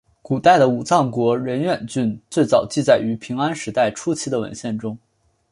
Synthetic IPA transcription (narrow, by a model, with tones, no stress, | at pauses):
ku˨˩t̪a˥˩ɪd̪ə˩u˨˩t͡sɑ˥˩ŋkwɔ˧˥ɻə˧˥nɥɛ˨˩nt͡ɕy˥˧nt͡swe˥˩ɪt͡sɑ˨˩ʊt͡ɕi˥˧t͡sa˥˩ɪy˧˥pʰi˧˥ŋa˥nʂɻ̩˧˥t̪a˥˩ɪʈ͡ʂʰu˥t͡ɕʰi˧˥d̪ə˨wə̰˧˥nɕjɛ˥˩nʈ͡ʂʊ˥ŋ